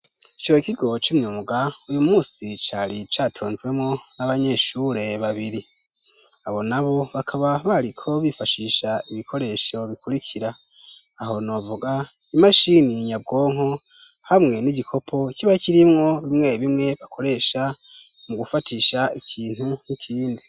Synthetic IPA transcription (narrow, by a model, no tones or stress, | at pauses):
it͡ʃoikiɡo̞t͡ʃumɲuːmɡaujumuːsit͡ʃaɾit͡ʃaːtʰoːnzɡwe̞mŋo̞naβaɲe̞ʃuːɾe̞βaβiɾi | aβo̞naβo̞βakʰaβaβaɾikʰo̞βifaʃiːʃaiβikʰo̞ɾe̞ʃo̞βikuɾikʰiɾaː | ho̞no̞vuɡaimaʃiniɲab̚ɡo̞ːŋo̞ | hamŋe̞niɟikʰo̞pʰo̞ikiβaikiɾimŋo̞βimŋe̞βimŋe̞βakʰo̞ɾe̞ʃamuɡufatʰiʃaikʰiːn̥hunikʰiːndi